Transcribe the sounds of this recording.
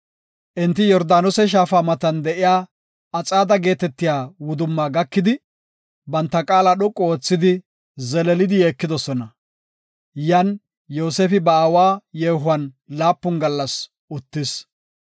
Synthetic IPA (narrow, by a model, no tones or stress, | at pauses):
ʔɪnt̪ːɪjɔɾd̪aːnɔsɛʃ̬aːfaːmɐt̪ɐnd̪ɛʔɪjaː | ɐt͡sʼaːd̪ɐɡe̞ːt̪ɛt̪ːɪjaːwʊd̪ʊmːaːɡɐkːɪd̪ɪ | bɐnt̪ːɐkʼaːlaɗɔkʼːɔoːt͡sːɪd̪ɪ | zɛlɛlɪd̪ɪjeːkːɪd̪ɔsɔnɐ | jɐn | jo̞ːseːfɪbɐːwaːjeːɦʊɐn | laːpːʊnɡɐlːɐs | ʔʊt̪ːɪs